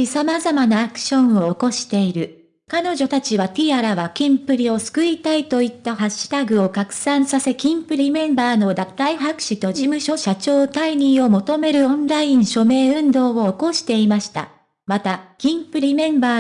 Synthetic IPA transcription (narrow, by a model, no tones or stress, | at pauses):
isamazamanaːkɯ̟̥ɕõ̞ɰ̃o̞ːko̞ɕi̥t̪e̞iɾɯ̟ | kano̞ʑo̞t̪at͡ɕiβat̪ʲiaɾaβakʲĩmpɯ̟ɾʲio̞sɨ̥kɯ̟ɾʲit̪ait̪o̞it̪ːaɦaɕːɨ̥t̪aɡɯ̟o̞kakɯ̟̥sãɰ̃sase̞kʲĩmpɯ̟ɾʲimẽ̞mbaːno̞d̪at̪ːaiɦakɯ̟̥ɕit̪o̞ʑimɯ̟ɕo̞ɕat͡ɕo̞ːt̪aiɲ̟ĩɰ̃o̞mo̞t̪o̞me̞ɾɯ̟õ̞nɾaĩɰ̃ɕo̞me̞ːɯ̟̃nd̪o̞ːoːko̞ɕi̥t̪e̞imaɕi̥t̪a̰ | mat̪akʲĩmpɯ̟ɾʲimẽ̞mbaː